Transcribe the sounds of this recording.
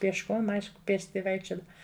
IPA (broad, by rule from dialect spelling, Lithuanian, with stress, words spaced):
pʲiɛʃˈkoːm ˈɐɪʃkʊ ˈpʲeːsʲtʲɪ ˈʋɐɪkʃʲt͡ʃʲoːdɐw